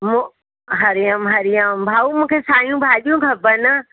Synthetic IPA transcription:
mũ | ɦɐɾɪjəmɦɐɾɪjəmbʱaːumũːkʰesaːjũbʱaːɗijũɡʱɐbənə

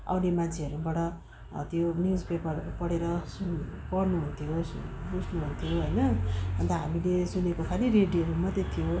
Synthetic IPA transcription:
a̰wnemant͡sʰeʌɾubʌɽʌ | t̪jonispepʌrpʌɽeɾʌsunpʌrnuɦunt̪ʰijosbud͡znuɦunt̪ʰijoɦʌjnʌbʱʌnt̪ʌɦa̰milesunekokʰaliɾeɽiʌɾumʌd̪jet̪ʰijo

